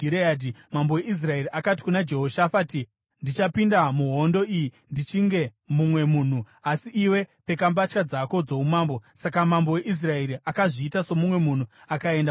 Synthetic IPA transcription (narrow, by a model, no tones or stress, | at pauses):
iɾeadimambo̞weis̬rae̞ɾiakati̥kunad͡ʒe̞ɦo̞ʃafaːti | ndit͡ʃapindamuɦo̞ndo̞iji | ndit͡ʃiŋɡe̞ | mumwe̞muːn̤u | asiʔiwe̞pe̞kambat͡ʃkad͡zako̞d͡zo̞umaːmbo̞sakamambo̞we̞ʔis̬rae̞ɾiʔakaʐiːtaso̞mumwe̞mun̤u | akae̞nda